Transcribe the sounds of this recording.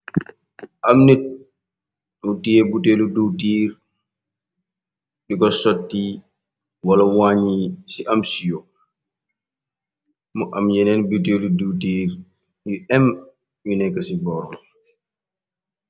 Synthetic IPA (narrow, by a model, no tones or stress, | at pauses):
ʔamnɛt | ɗutijɛbuteluduwtiːɾ | ɗikɔsotːi | walawaɲisiʔamsijɔ | mɔʔamd͡ʒɛnɛnbut̬eludutiːɾ | iɛm | jinɛkasibɔɾɔm